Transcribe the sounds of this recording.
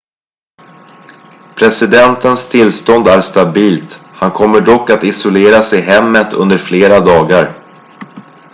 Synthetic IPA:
pʰɾɛsɪd̪ɛnt̪ənst̪ʰɪlːst̪ɔnd̪æɾʂt̪abiːlt̪hankʰɔmːəɖɔkːat̪ɪsʊleːɾasɛjɦɛmːət̪ʰɵ̰nd̪əɾfleːɾad̪ɑːɡaɾ

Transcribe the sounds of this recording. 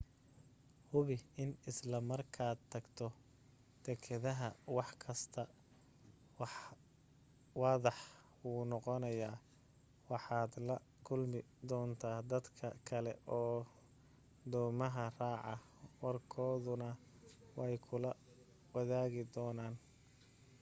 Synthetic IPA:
hʊβɪɪnɪslɐmɐrkʰaːd̪̚t̪ʰːɐɡt̪ʰɔ | d̪̥ɛkʰɐðɐɦɐwɑħkʰɐst̪ʰɐ | wħ | wɑːðɑħ | wuːnɔqɔnɐjaː | wɑħɑːd̪lɐ | kʰʊlmɪd̪ɔːnt̪ʰaːd̪ɐd̪kʰɐ̰kʰɐlɛ̰ʔɔː | d̪ɔːmɐɦɐraːʕɑ | wɐrkʰɔːðʊnɐ | wɛjkʰʊlɐ | wɐðaːɣɪd̪ɔːnaːn

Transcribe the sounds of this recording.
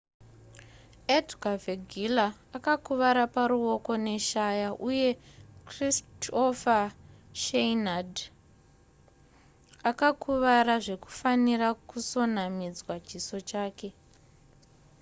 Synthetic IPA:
edɡaveɡʱilaː | kakuʋaɾapaɾuo̞ko̞ne̞ʃajaʔuje̞kristʰofaʃejnad | akakuʋaɾaʐe̞ku̥fanirakuso̞namid͡zwat͡ʃiso̞t͡ʃaːke̞

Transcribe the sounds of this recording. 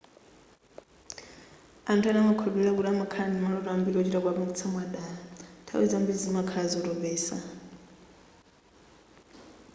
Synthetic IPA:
antʰuanamakʰɔdɛɺakuɾamakʰanimaɺɔɾɔambilɔt͡ʃiɾakwaβuŋɡit͡sʰamwaɗaatʰa̰wḭd͡zambid͡zimakʰazɔɾɔvɛːsa̰

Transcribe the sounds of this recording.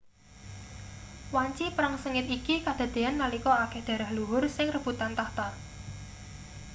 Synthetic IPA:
waɲt͡ʃipɾaŋsəŋɪt̪ikikad̪̥a̤d̪̥e̤anːalikɔakɛhd̪̥ä̤ɾahluɦʊrsɪŋrəb̥ṳt̪ant̪aht̪a

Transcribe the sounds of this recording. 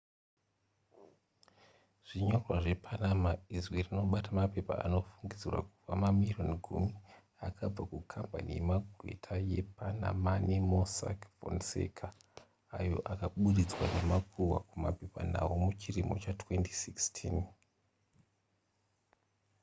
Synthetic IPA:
ʐ̥iɲo̞rwaʐe̞pʰanamaizwerino̞ɓatamape̞pa̰a̰no̞fuŋɡid͡zirwa̰kuvamamironɡʱumi | akʰab͡vakukʰampa̰nḭje̞maɡʱwe̞̰tʰaje̞pana̰manimosa̰kvo̰nsḛkʰaː | jo̞̰ʔakaɓuɗid͡zwanemakuwakumape̞pa̰na̰wumut͡ʃirimo̞̰t͡ʃatwe̞ntisikstʰin

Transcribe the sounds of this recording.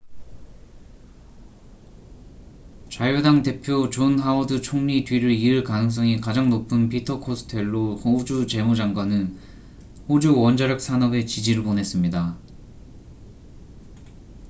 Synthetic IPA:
t͡ɕajodaŋte̞pʰjot͡ɕonɦaʌdɯt͡ɕʰoŋɲidɥiɾɯɭiɯɭkanɯŋs̬͈ʌŋikad͡ʑaŋnopʰɯnpitʰʌkʰosʰɯ̥tʰe̞ɭːohod͡ʑut͡ɕe̞mud͡ʑaŋɡwanɯn | hod͡ʑuwʌnd͡ʑaɾjʌk̚s͈ʰanʌbe̞t͡ɕid͡ʑiɾɯɭpone̞s͈ɯmɲida

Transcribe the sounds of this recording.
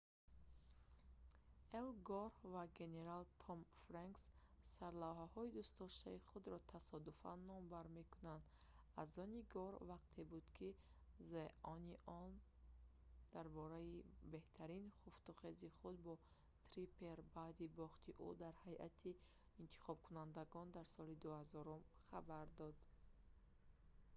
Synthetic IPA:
elɡɔɾvaɡe̞ne̞ɾalt̪ʰɔmfɾaŋksːaɾlawɦahɔid̪ust̪ɔʃt̪aiχud̪ɾɔt̪ʰasɔd̪ufa̰nːɔmbaɾme̞kunand̪ | azɔniɡɔɾvaq̚t̪ʰe̞bud̪kʰi | zeʔɔniʔɔn | d̪̥aɾbɔɾaibe̞ht̪ʰaɾinχuft̪uχeziχud̪̚bɔ | t̪ʰɾipʰe̞ɾbaːd̪ibɔχt̪ʰiʔṵd̪aɾhajʔa̰t̪ʰiː | nt̪ʰi̥χɔb̚kʰunand̪aɡɔnd̪aɾsɔlid̪uhazɔɾumχabaɾd̪ɔd̪

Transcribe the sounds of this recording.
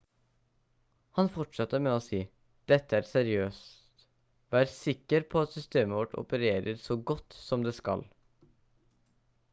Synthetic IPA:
hɑnfɔʈʂɑt̪ːəɾmɛːoːsiː | d̪̥ɛt̪ːəæɾsɛɾɪøːst̪t̪ | ʋæːɾəsɪkːəɾpʰɔɑt̪sʏst̪eːməʋɔʈʰɔ̰pəɾeːɾəɾsɔɡɔt̪ːsɔmd̪eːskɑ̰l

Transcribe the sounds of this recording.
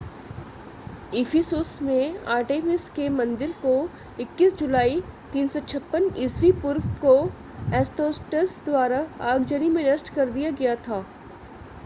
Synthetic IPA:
ɪfʰɪsusmẽaːɾʈeːmɪskemɐ̃nd̪ɪɾko | ɪkːisd͡ʒʊlaːit̪iːnsɔt͡ʃʰɐpːənɪswipʊɾfko | ɛːsʈoːsʈəsd̪waːɾaaːɡd͡ʒənimẽnɐsʈkɐɾd̪ijaɡɐjat̪ʰaː

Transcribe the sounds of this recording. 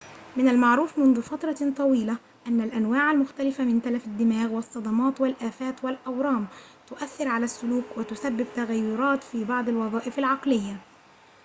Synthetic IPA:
mɪnalmaʕɾuːfmʊnðʊfɑt̪ɾˤɑt̪ˤɑwiːla | ʔanːalʔanwaːʕalmʊxt̪alɪfamɪnt̪alafad̪ːɪmaːɣwɑsˤːɑd̪ˤɑmɑːt̪wɪlʔaːfæːt̪wɪlʔɑwɾˤɑːmt̪ʊʔaθːɪɾʕalasːʊluːkwɪt̪ʊsabːɪb̚t̪aɣajːʊɾˤɑːt̪fiːbɑʕd̪ˤɑlwɑðˤɑːʔɪfalʕɑqlɪjːa

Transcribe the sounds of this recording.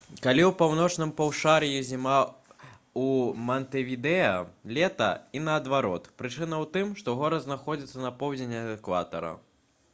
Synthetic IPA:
kalʲiwpawnɔt͡ʂnɨmpɐwʂaɾjizʲima | umɐnt̪ɛvʲid̪ɛɐlʲɛt̪ɐ̰inɐːd̪vaɾɔt̪pɾɨt͡ʂɨnɐwt̪ɨmʂt̪ɔɣɔɾɐznaxɔd͡zʲit̪sːɐnɐpɔwd͡zʲɪnʲɐd̪ɛkva̰t̪ɐ̰ɾɐ̰

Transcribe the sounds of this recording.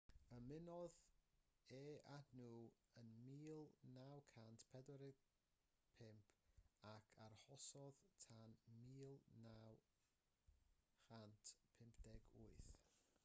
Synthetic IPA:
əmɪnɔð | eːadnuːənmiːlˠnawkʰantpʰɛdwɛɾɪ | pʰɪmpʰakʰaɾhɔsɔðtʰanmiːlˠnaw | χantʰpʰɪmpʰd̥ɛɡʊɨθ

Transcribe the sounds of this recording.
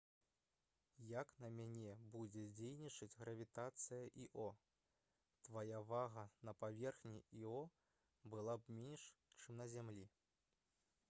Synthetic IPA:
jaknɐmʲanʲɛbud͡zʲɛd͡zʲejnʲit͡ʂɐd͡zʲɣɾɐvʲit̪at̪sɨjɐʔiʔɔ | t̪vajavaɣɐnɐpavʲɛrxnʲiiɔ | bɨlˠabmʲɛnʂt͡ʂɨmnɐzʲamlʲi

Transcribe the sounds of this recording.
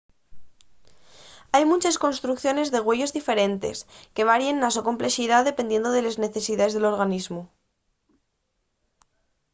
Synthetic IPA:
ajmũt͡ʃesko̞nst̪ɾukθjo̞ne̞zðe̞ɣ̞we̞ʝo̞zðife̞ɾe̞nt̪e̞̰ske̞β̞aɾje̞nːas̬oko̞mple̞siðaðe̞pe̞nd̪je̞nd̪oðe̞lezne̞θe̞siðaezðe̞lo̞ɾɣ̞anizmu

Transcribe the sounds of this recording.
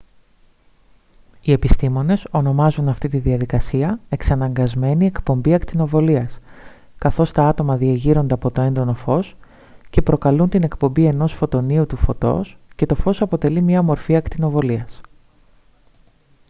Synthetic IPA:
ie̞pist̪imo̞ne̞so̞no̞mɐzunɐft̪it̪iðiɐðikɐsiɐe̞ksɐnɐŋɡɐzme̞nie̞kpo̞mbiɐkt̪ino̞vo̞liɐs | kɐθo̞st̪ɐɐt̪o̞mɐðiɐʝiɾo̞nd̪eɐpo̞t̪o̞e̞nd̪o̞no̞fo̞s | ce̞pɾo̞kɐlunt̪ine̞kpo̞mbie̞no̞sfo̞t̪o̞niut̪ufo̞t̪o̞̰sce̞t̪o̞fo̞sɐpo̞t̪e̞limɲɐmo̞ɾfiɐkt̪ino̞vo̞liɐs

